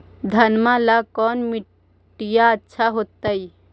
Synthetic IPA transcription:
d̪ʱənmãlakɔːnmi | ʈijaətːʃʰaɦot̪əj

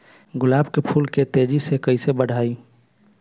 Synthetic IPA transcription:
ɡʊlaːbkepʰuːlket̪eːd͡ʒisekəisebəɽ̤ʱaːi

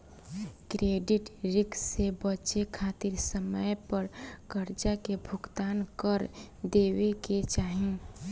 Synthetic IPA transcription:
kɾeːɖɪʈɾɪksebət͡ʃekʰaːt̪ɪɾsəməjpəɾkəɾt͡ʃakebʱʊɡt̪aːnkəɾd̪eːweket͡ʃaːɦẽ

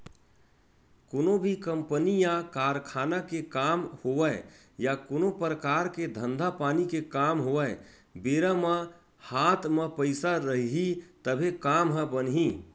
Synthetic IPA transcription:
koːnobʱikəmpənijãkaɾkʰanakekamhoʋəɪ | jakonopɾəkaɾked̪ʱə̃nd̪ʱapaːnikekamɦoʋə | beɾamə | hat̪ʰmepəɪsaɾəɦɦit̪əbʱekamɦə̃bənɦi

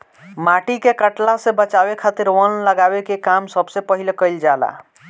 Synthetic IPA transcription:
maʈikekəʈlasebət͡ʃabekʰat̪iɾwənləɡabekekamsəbsepəɦilekəɪld͡ʒala̰

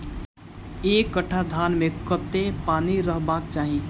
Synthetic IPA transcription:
eːkːəʈʰːad̪ʱaːnmẽkət̪epaːniɾəɦbaːk̚t͡ʃaːɦĩ

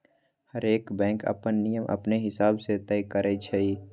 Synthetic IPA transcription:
həɾeːkbɛ̃ːŋkə̰pənːijəmʔɐ̰pneɦɪsaːbset̪ɛjkəɾet͡ʃʰeiː

